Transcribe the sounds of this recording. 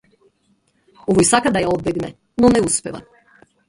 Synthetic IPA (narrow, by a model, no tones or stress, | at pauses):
oʋojsakad̪ajaod̪̚bɛɡnɛ | nonɛuspḛʋa̰